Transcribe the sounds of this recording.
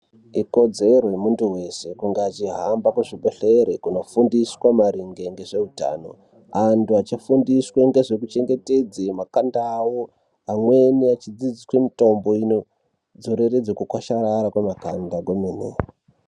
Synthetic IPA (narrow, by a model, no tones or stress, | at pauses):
iko̞d͡ze̞ɾojemuntuwe̞se̞kuŋɡeat͡ʃiɦambakuʐibeɬeɾekuno̞fundiswamaɾiŋɡeŋɡe̞ʐe̞uta̰ːno̞̰ | antuat͡ʃifundisweŋɡe̞ʐe̞k̬ut͡ʃe̞ŋɡe̞te̞d͡zemakandaːwo | amweniat͡ʃid͡zid͡zikwemito̞mbo̞ino | d͡zoɾeɾed͡zokukwaʃaɾaɾakwemakandaɡeminḛ